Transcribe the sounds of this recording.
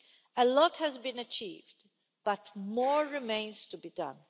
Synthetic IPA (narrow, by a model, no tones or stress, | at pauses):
əlɔthɨzbɨ̃nət͡ʃḭvd | b̥ʌt̚mɔɹːɪmẽɪ̃nz̥tʰubidʌ̰̃n